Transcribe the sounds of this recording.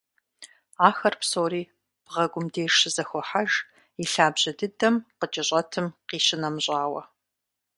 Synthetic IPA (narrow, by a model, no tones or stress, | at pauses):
aːxɐrpsoːɾiː | b̥ʁɐɡʷʊmdeːʂɨzɐxʷɔħaʒ | iɬaːbʑɐdɨdɐmqət͡ʃʼɪɕʼɐtʰɨmqiːɕɪnɐmɕʼaːwɐ